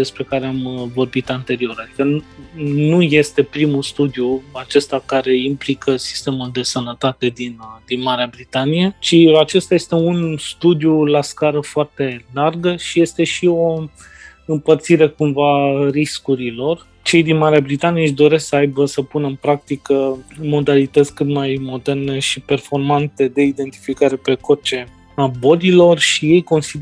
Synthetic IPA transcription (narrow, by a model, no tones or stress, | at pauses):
d̪e̞spɾe̞kaɾeamvo̞rbit̪ant̪e̞ɾio̞ɾad̪ikə | nuje̞st̪e̞pɾimust̪ud̪ijuat͡ʃe̞st̪akaɾe̞implikəsi̥st̪e̞muld̪e̞sənət̪at̪e̞d̪ind̪inmaɾeabɾit̪anije̞t͡ʃiat͡ʃe̞st̪aje̞st̪e̞unst̪ud̪julaskaɾəfoart̪e̞larɡəʃije̞st̪e̞ʃio̞ | ɨmpərt̪siɾe̞kumvariskuɾilo̞r | t͡ʃe̞jd̪inmaɾeabɾit̪anijeʃd̪o̞ɾe̞sksəajbəsəpunəɨnpɾak̚t̪ikəmo̞d̪alit̪ət̪sʲkɨt̪majmo̞d̪e̞rne̞ʃipe̞rfo̞rmant̪e̞d̪e̞id̪e̞nt̪i̥fikaɾe̞pe̞ko̞t͡ʃe̞ | abo̞lilo̞rʃije̞jko̞nsi